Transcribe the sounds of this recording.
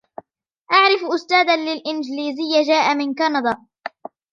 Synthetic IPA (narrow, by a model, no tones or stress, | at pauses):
ʔaʕɾɪfʔʊst̪aːd̪alɪlʔɪnd͡ʒliːzɪjːad͡ʒaːʔamɪnkanɑd̪ˤɑː